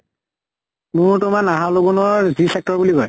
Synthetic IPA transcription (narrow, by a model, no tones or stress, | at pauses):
mʊɹtʊmanaɦalobɔnɔɹzisɛk̚tɔɹbuliɡɔj